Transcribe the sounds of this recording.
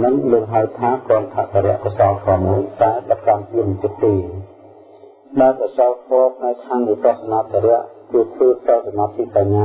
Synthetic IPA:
nɨŋloːk̚ɦaəwt̪ʰaːkŏənt̪ʰaʔt̪ʰaɾɛ̆əʔkɔsɑːlk̪ʰʋɑːmuəjt̪aɛlɓat̪̚kanpiəmət̪ɨʔ̚t̪eː | ɗaɛlprɑt͡ɕaːlk̪ʰʋɔːpʰnaɛkʰːaŋniətɔ̆əhsanaːt̪ʰaɾɛ̆əʔkɨət̪ʰʋəːpʰtɔlsamaːt̪ʰːikaɲːaː

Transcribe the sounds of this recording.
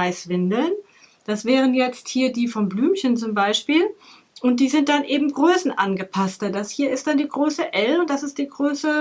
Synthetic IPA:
aɪsv̥ɪndl̩n | d̥asv̥ɛːʁ̞ənjɛt͡sthiːɐdiːfɔmblyːmçənt͡sʊmbaɪʃpiːl | ʔʊnt̚d̥iːzɪnt̚d̥anʔeːbm̩ɡʁøːsn̩ʔanɡəpʰastədashiːɐɪst̚d̥andiːɡʁoːsəʔɛlʊnt̚d̥asɪst̚d̥iːɡʁøːsə

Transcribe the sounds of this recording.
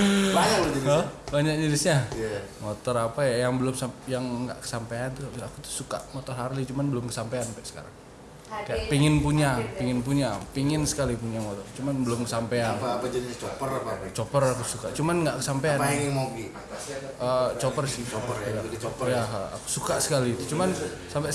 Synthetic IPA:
baɲad͡ʒaiəhbaɲak̚ɲəɾisɲamot̪ɔɾapajajaŋbəlʊmsajaŋːɡa̰ʔkə̥sampaant̪uaakut̪u̥hsuka̰ʔmot̪ɔrɦaɾlit͡ʃumanbəlʊmkəsampaanpɛʔsə̥ka̰ɾa̰ŋ | kajaʔpiŋɪnpuɲapiŋɪnpuɲapiŋɪnsə̥kalipuɲamot̪ɔrt͡ʃumanbəlʊmkəsampeanapad͡ʒadit͡ʃopərpat͡ʃopəɾakusuka̰ʔt͡ʃumanŋɡaʔkəsampeanŋŋmaɡi | ət͡ʃopərsɪajaa̰ku̥sukaʔsə̥kalit̪ut͡ʃuman | sampɛ

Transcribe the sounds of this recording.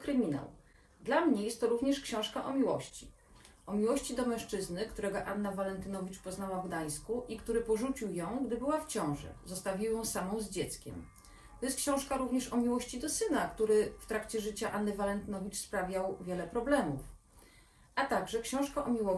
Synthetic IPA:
kɾɘmʲina̰w | d̪lamɲɛjɛst̪ːɔɾuvɲɛʂkɕɔ̃w̃ʂkaʔɔmʲiwɔɕt͡ɕi | ʔɔmʲiwɔɕt͡ɕid̪ɔmɛ̃ʂt͡ʂɘznɘkt̪uɾɛɡɔʔanːavalɛnt̪ɘnɔvʲit͡ʂpɔznawavɡd̪aj̃skuʔikt̪uɾɘpɔʐut͡ɕiwjɔ̃w̃ɡd̪ɘbɘwaft͡ɕɔ̃w̃ʐɛ̰zɔst̪avʲiwjɔ̃w̃samɔ̃w̃zd͡ʑɛt̪skʲɛ̰m | t̪ɔjɛst̪kɕɔ̃w̃ʂkaɾuvɲɛʂɔmʲiwɔɕt͡ɕid̪ɔsɘnakt̪uɾɘft̪ɾakt͡ɕɛʐɘt͡ɕaʔanːɘvalɛnt̪ɘnɔvʲit͡ʂspɾavʲjawvʲjɛlɛpɾɔblɛmṵf | ʔat̪aɡʐɛkɕɔ̃w̃ʂkaʔɔmʲiwɔ

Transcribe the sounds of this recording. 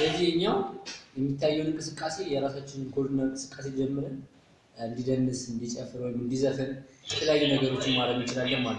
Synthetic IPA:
ləzːihɨɲːawjɛmːit̪ʰːajːɛwnɨŋkʼɨsɨkʼːase̞jɛɾasat͡ʃːɪnɨnkʰo̞ɾd̪inaŋkʼɨsɨ̥kʼːase̞d͡ʒɛmːɨɾɨn | ɨnd̪id̪ənːɨsɨnd̪it͡ʃʼəfɨɾwojɪmɨnd̪izəfɨnjɛt̪ʰələjajːunəɡəɾo̞t͡ʃːɪnmaɾəɡmɨt͡ʃɪlalːəhmalː

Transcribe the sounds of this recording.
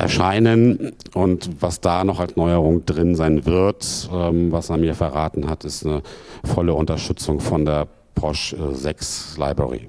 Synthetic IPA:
ʔɛ̰ɐʃaɪnənʔʊntv̥asd̥aːnɔχalsnɔʏəʁʊŋd̥ʁɪnzaɪnvɪɐtʔɛmvaseːɐmiːɐfɛɐʁaːtn̩hatɪstnəfɔləʊntɐʃtʏt͡sʊŋfɔndeːɐ | pʰɔʃzɛksla̰ɪbə̰ʁḭ

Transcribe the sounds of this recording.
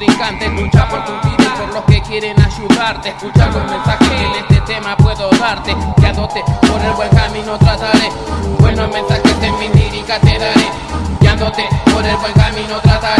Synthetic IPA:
ɾiŋkant̪eskut͡ʃapoɾt̪ut̪iβepoɾlohkekjeɾenaʃuðaɾt̪eehskut͡ʃakohmensaxenest̪et̪emapweðoðaɾt̪ed̪jand̪ot̪epoɾelβweŋkamĩnot̪ɾat̪aɾe | bwenohmẽnsaxet̪emĩt̪iɾikat̪eðaɾe | bjand̪ot̪epoɾelbweŋkamĩnot̪ɾat̪a

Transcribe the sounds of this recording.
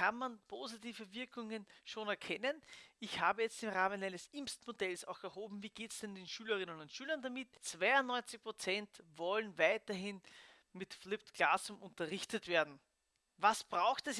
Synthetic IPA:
kanmanpʰozitiːvəvɪɐkʊŋənʃoːnɛɐkʰɛnənɪçhaːbəjɛt͡stɪmʁaːmənæɪnəsʔɪmstmodɛlsa̰ʊxɛɐɦoːbm̩viːɡ̥eːtsd̥ɛndeːnʃyːlɐʁɪnənʊntʃyːlɐndamɪtt͡sv̥aɪʊnnɔʏnt͡sɪçpʁ̥ot͡sɛntvɔlənvaɪtɐɦɪn | mɪtflɪp̚tɡ̥laːsʊmʔʊntɐʁɪçtətv̥eːɐdn̩ | vasb̥ʁaʊxtɛs

